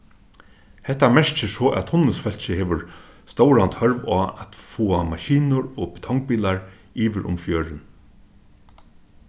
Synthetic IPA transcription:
hɛt̪ːamɛɹt͡ʃɪsɔːʔæ̰t̪hʊnːəsfɛl̥t͡ʃɪheːʋʊɹ | st̪owɾant̪hœɹʋaːɛt̪fuːamaʃiːnʊɹɔpɪ̥t̪ʰɔŋk̚piːlaɹ | iːʋɪɾʔʊ̰mfjøːɾɪn

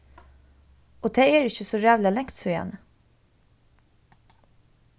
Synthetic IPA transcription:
ɔd̪ʰeeːɾɪçəsɔjæːvlɑlɛŋt̪sɔjɛ̰ːnə

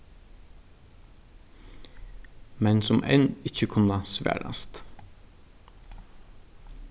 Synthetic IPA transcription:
mɛnsʊmʔɛ̰nɪçəkʰʉnɑsʋæ̰ːɽɑ̰st̪

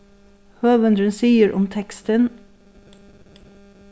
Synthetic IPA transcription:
høːʋənd̪ɹənsiːəɹʔʊ̰mt̪ʰɛkst̪ən

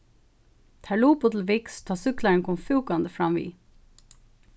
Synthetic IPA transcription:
t̪ʰæɭuːpʊt̪ʰl̩ʋɪkst̪ʰɑːsʏklɑənkʰɔmfʉːkɑnd̪əfɾɑmʋḭː

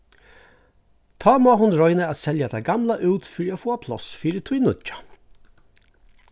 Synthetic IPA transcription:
t̪ʰɑːmoaɦʊnɾɔʏnəat̪sɛljat̪ʰæɪɡamlaʔʉːt̪fɪɾiafoːapʰlɔ̰sfiːɾət̪ʰujnʊt͡ʃḁ

